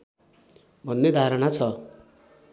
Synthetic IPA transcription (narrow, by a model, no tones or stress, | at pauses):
bʱʌnːed̪ʱaɾʌnat͡sʰʌ